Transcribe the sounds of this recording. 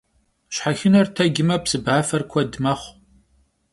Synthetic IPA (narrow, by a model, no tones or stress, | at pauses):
ɕħaxɪnɐrtʰɐɡɪmɐpsɨbʕaːfɐrkʷʰɔdmɐχʷ